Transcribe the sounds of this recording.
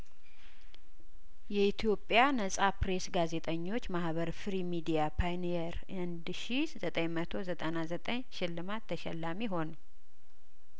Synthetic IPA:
jɛit̪ʰijo̞pʼːjanəsʼapɾe̞sɡaze̞t̪ʼəɲːo̞t͡ʃːmahβəɾfɨɾimid̪ijapʰajnijɛɾ | ɨnd̪ʃi | zət̪ʼəɲmət̪ʰo̞zət̪ʼənazət̪ʼəɲʃɪlːɨmat̪ʰːəʃɛ̰lːamiɦo̞n

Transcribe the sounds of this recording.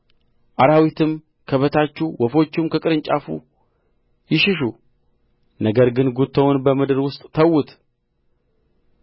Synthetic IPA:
ʔaɾawit̪ʰɨm | kʰəβət̪ʰat͡ʃːuwʔɔfo̞t͡ʃːɪmkʰəkʼɨɾɨɲt͡ʃʼafṵ | jɪʃɪʃ̬u | nəɡəɾɡɨnɡut̪ʰːəwnbəmɨd̪ɨɾwʊst̪ʼt̪ʰəwːʊt̪

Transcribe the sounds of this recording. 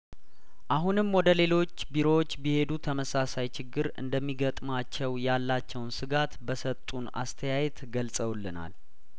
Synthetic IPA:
ʔaɦunɨmwɔd̪əle̞lo̞t͡ʃːbiɾo̞wt͡ʃːbihe̞d̪ut̪ʰəməsasajt͡ʃʰɪɡːɨɾɨ̰nd̪əmːiɡət̪ʼmat͡ʃːɛwjalːat͡ʃːɛwnsɨɡat̪bəsət̪ʼːuna̰st̪ʰəjajɛt̪ɡəlsʼəwlːɨna̰l

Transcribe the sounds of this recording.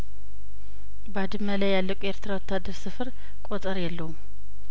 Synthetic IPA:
bad̪ɨmːəlajːalːəkʼue̞ɾt̪ʰɨɾawɔt̪ʰːad̪ːəɾsɨfɨɾ | kʷʼot̪ʼəɾjɛlːəhum

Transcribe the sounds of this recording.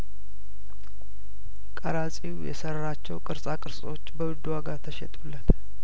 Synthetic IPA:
kʼəɾasʼiwjɛ̰səɾːat͡ʃːɛwkʼɨɾsʼakʼɨɾsʼot͡ʃːbəwɨd̪ːwaɡat̪ʰəʃɛ̰t̪ʼulːət̪

